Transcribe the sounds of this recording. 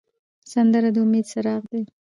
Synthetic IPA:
sand̪əɾad̪əʊmed̪saɾɑɣd̪e

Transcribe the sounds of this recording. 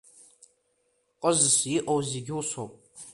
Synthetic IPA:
qʼəzɨsjɪʔowzeɡʲɪwsopʼ

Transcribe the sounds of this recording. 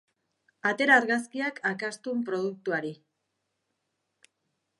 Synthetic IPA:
at̪e̞ɾaːɾɣaskiakʰakast̪umpɾo̞ðuk̚t̪uaɾi

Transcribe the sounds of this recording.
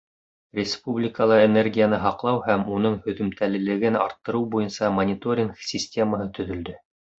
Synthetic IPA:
rʲɪspublʲɪkəlˠɤenerɡʲijanɤɦɑqlˠɑwhæmunɤɴhɵ̆ðɵ̆mt̪ʰælɘ̆lɘ̆ɡɘnɑ̰ɾt̪ːɤ̆ɾɤwbujɤnsɑmɐnʲɪt̪o̞ɾʲɪŋksʲisʲtʲe̞məɦɤt̪ɵ̆ðɵ̆ld̪ɵ

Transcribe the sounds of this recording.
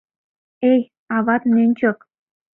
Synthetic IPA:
ej | ɑβɑt̪mnʲenʲt͡ɕok

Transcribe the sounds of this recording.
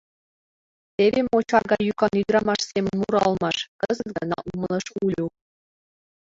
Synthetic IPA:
t̪eβʲemot͡ɕɑrɡɑjykɑnyd̪ɾɑmɑʃsʲemə̆nmuɾɑlˠmɑʃkɤzət̪ɡɑnɑ̰ʔuməlˠɤ̆ʃulʲu

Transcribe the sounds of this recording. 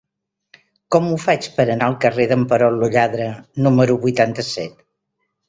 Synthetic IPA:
kɔmufat͡ʃpəɾənaəlˠkəreðəmpəɾɔlːuʎaðɾənuməɾuβujt̪ant̪əsɛt̪

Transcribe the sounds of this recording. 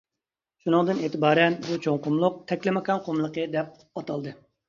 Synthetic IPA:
ʃunɨŋd̪ɨneːt̪ɪbɑːɾɛnbut͡ʃʰoŋqʊmlˠʊq̚t̪ʰɛkʲlɪmɪkɑnqʰomlˠəqəd̪ɛp̚pɑt̪ʰɑlˠd̪ɨ

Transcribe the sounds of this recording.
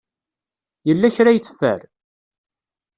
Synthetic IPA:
jəlːæçɾajθə̥fːə̰ɾ

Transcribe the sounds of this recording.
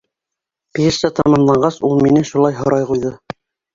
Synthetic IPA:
piɘɾsæt̪ɑmɑmlˠɑɴɢɑsulˠminɘʃulˠɑjɦŏɾɑjqujðɤ

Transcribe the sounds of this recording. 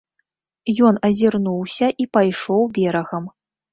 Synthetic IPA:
jɔnɐzʲirnuwsʲɐʔipajʂɔwbʲɛɾɐɣɐm

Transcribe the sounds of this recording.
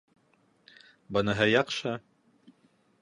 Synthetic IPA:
bɤnɤ̆ɦɤjɑqʃɤ

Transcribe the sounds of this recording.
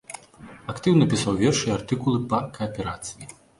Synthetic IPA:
akt̪ɨwnɐpʲisawvʲɛrʂɨjɛart̪ɨkulˠɨpɐkɐɐpʲɛɾat̪sɨji

